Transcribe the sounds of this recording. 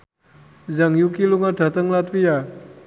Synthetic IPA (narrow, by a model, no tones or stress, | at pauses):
zaŋjukiluŋaɖʱat̪əŋlat̪wija